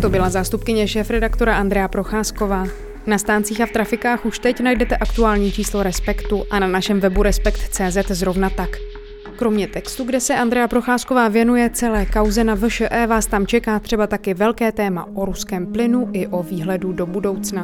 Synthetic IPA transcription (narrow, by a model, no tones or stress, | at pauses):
t̪o̞bɪlazaːst̪upkɪɲɛʃɛːfɾɛdakt̪o̞ɾaʔand̪ɾɛjapɾo̞xaːsko̞vaː | nast̪aːnt͡siːxaft̪ɾafɪkaːxuʃt̪ɛcnajdɛt̪ɛʔakt̪uaːlɲiːt͡ʃiːslo̞ɾɛspɛkt̪uʔananaʃɛmvɛbuɾɛspɛkt̪t͡sɛːzɛt̪zɾo̞vnat̪ak | kɾo̞mɲɛt̪ɛkst̪uɡdɛsɛʔand̪ɾɛjapɾo̞xaːsko̞vaːvjɛnujɛt͡sɛlɛːkawzɛnavʃəʔɛːvaːst̪amt͡ʃɛkaːt̪r̝̥ɛbat̪akɪvɛlkɛːt̪ɛːma̰ʔo̞ɾuskɛːmplɪnuʔɪʔo̞viːɦlɛdudo̞budo̞wt͡sna